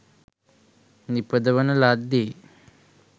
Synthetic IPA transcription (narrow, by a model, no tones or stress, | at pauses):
nipəd̪ɐʋɐnɐlaːd̪e